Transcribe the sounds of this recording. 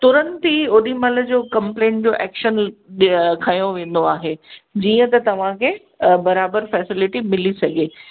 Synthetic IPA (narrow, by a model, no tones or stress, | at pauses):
t̪ʊɾənt̪iʊɗimɐlə̆d͡ʑoːkɐ̃mplẽːɳʈ̚d͡ʑoːʔɛ̰ːkʃən | kʰɐjoʋẽːn̆d̪oaːɦed͡ʑiːə̃t̪ɐt̪ɐʋ̤ãkʰe | bɐɾaːbəɾfɛːsɪlɪʈimɪlisɐɡʱeː